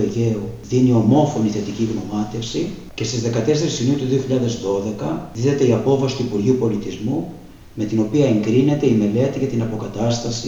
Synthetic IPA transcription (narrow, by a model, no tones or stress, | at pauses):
eʝe̞uðinio̞mo̞fo̞niθe̞t̪iciɣno̞mɐt̪e̞fsi | ce̞st̪izðe̞kɐt̪e̞se̞ɾisiniut̪uðio̞çiʎɐðe̞zðo̞ðe̞kɐðiðet̪e̞iɐpo̞fɐsi̥t̪uipuɾʝiupo̞lit̪izmu | me̞t̪ino̞piɐe̞ŋɡɾine̞t̪e̞ime̞le̞t̪iʝɐt̪inɐpo̞kɐt̪ɐst̪ɐsi